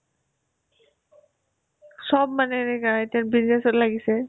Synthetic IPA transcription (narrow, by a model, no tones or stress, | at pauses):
ʃɔbmaneeɡataɾbiznesotlaɡise